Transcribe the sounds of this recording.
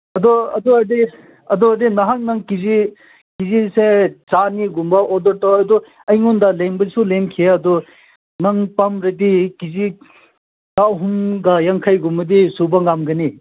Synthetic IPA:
ɐd̪ɔɐ̰dɔɐɾdi | ɐd̪ɔɐdinɐɦaŋ̚nɐŋkizi | kiziset͡ʃaniɡumbɐʔɔdɔɾtawɐd̪ɔ | ɐjŋundɐlenbɐsulemkʰieɐd̪ɔ | nɐŋpamɾedikizi | tawɦumɡɐjaŋkʰajɡumbɐdisubɐŋamɡɐni

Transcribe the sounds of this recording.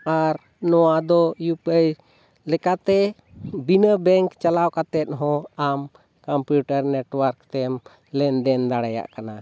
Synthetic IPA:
aɾ | nɔwad̪ɔjupəj | lɛkat̪ɛ | binəbɛŋkt͡ʃalawkat̪ɛt̪̚ˀɦɔ̃am | kampjuʈaɾnɛʈwəɾkt̪ɛm | lɛnd̪ɛnd̪aɽaja̰ʔkana

